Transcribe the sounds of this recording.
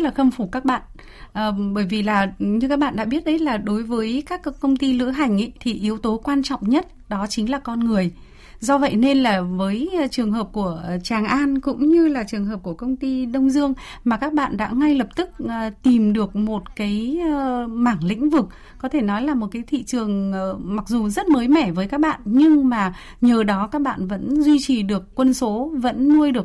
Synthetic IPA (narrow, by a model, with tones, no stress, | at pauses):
laː˨˩xə˧mfu˧˩kaː˦˥k̚ɓa̰ː˧˨n | ʔəː˨˩ɓəː˧˩jvi˨˩laː˨˩ɲɨ˧kaː˦˥k̚ɓa̰ː˧˨ɗa̰˧˥ɓi˦˥ət̚ɗə˨˦jt̚laː˨˩ɗo˨˦jvəː˨˦jkaː˦˥kkə˧wŋ͡mt̪i˧lɨ̰˧˥əɦa˨˩jŋ̟ʔə˨˧˦jt̪ʰi˨˩ʔi˨˦əwt̪o˨˦kwaː˧nt͡ɕɔ̰˧˨wŋ͡mɲə˦˥t̚ɗɔ˨˦t͡ɕï˨˦ŋ̟laː˨˩kɔ˧nŋɨ˨˩əj | zɔ˧və̰˧˨jne˧nlaː˨˩vəː˨˦jt͡ɕɨ˨˩əŋɦəː˨˩p̚ku˧˩ət͡ɕaː˨˩ŋʔaː˧nkʊ̰˧˥ŋ͡mɲɨ˧laː˨˩t͡ɕɨ˨˩əŋɦəː˨˩p̚ku˧˩əkə˧wŋ͡mt̪i˧ɗə˧wŋ͡mzɨ˧əŋ | maː˨˩kaː˦˥k̚ɓa̰ː˧˨nɗa̰ː˧˥ŋa˧jlə˨˩p̚t̪ɨ˦˥k̚ːt̪i˨˩mɗɨ˨˩ək̚mo˨˩t̚kaː˨˦j | maː˧˩ŋlḭ˧˥ŋ̟vɨ˨˩k̚ | kɔ˨˦t̪ʰe˧˩nɔ˨˦jlaː˨˩mo˨˩t̚kaː˨˦jt̪ʰḭ˧˨t͡ɕɨ˨˩əŋː˨ma˨˩k̚zu˨˩zə˦˥t̚məː˨˦jmɛ˧˩vəː˨˦jkaː˦˥k̚ɓa̰ː˧˨nɲɨ˧ŋmaː˨˩ | ɲəː˨˩ɗɔ˨˦kaː˦˥k̚ɓa̰ː˧˨nvə̰˧˥nzwi˧t͡ɕi˨˩ɗɨ˨˩əkːwə˧nso˨˦və̰˧˥nːu˧əjɗɨ˨˩ək̚